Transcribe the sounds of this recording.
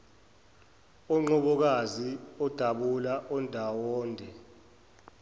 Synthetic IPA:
ɔŋ͡ǃɔɓɔk̬aziɔd̥ʱaɓulaʔɔndʱawɔːndʱɛ

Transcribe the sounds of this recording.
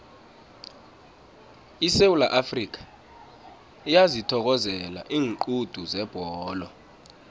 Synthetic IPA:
isewulaʔafrik̬ʰḁ | ijazitʰɔk̬ɔzɛla̰ʔiːŋǃud̥ʱuzɛb̥ʱɔːlɔ

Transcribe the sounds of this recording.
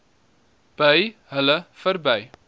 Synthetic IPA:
b̥əjɦələfərbəj

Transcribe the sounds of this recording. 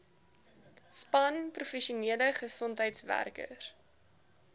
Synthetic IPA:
spɐnprufɛʃiuniələχəsɔntɦəjtsvæ̰rkə̰r

